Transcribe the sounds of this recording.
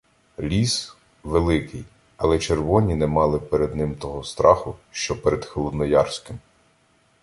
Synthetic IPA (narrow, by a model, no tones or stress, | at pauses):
lʲis | ʋelˠɪkɪj | ɐlˠɛt͡ʃerʋɔnʲinɛmɑlˠɪpeɾed̪nɪmt̪ɔɦɔst̪ɾʔɑxʊʃt͡ʃɔpɛɾɛd̪xelˠɔd̪nɔjɑrsʲkɪm